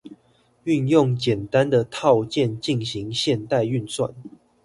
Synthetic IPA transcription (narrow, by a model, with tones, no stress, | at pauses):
y˥˧njʊ˥˨ŋt͡ɕjɛ˨˩nt̪a˦nd̪ə˨t̪ʰɑ˥˧ʊt͡ɕjɛ˥˨nt͡ɕi˥˨nɕi˨˦ŋɕjɛ˥˧nt̪a˥˧ɪy˥˨nswa̰˥˨n